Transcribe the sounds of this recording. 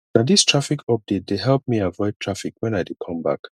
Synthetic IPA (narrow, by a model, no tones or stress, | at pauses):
nadistʰɹ̥afikʰɔp̚d̥et̚deɦɛlˠp̚miavɔɪd̚tʰɹ̥afikwɛ̃najdekʰʌ̃mba̰k